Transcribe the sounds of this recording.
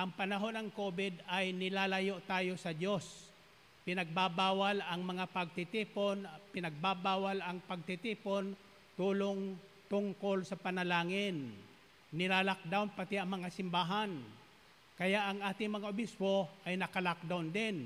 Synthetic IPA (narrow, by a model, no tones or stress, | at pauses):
ʔɐŋpɐnɐɦo̞nɐŋkobɪd̪ajnɪlalajoʔt̪aːjo̞sɐd͡ʒo̞s | pɪnɐɡ̚babaːwalɐŋmɐŋapɐɡ̚t̪ɪt̪iːponpɪnɐɡ̚babaːwalɐŋpɐɡ̚t̪ɪt̪iːpon | t̪uːloŋt̪ʊŋkolsɐpɐnɐlaːŋɪnː | ɪlalak̚d̪awnpɐt̪ɛɐŋmɐŋasɪmbaːɦan | kɐjaʔɐŋaːt̪ɪŋmɐŋaʔobɪspoʔajnɐkalak̚d̪awnd̪ɪn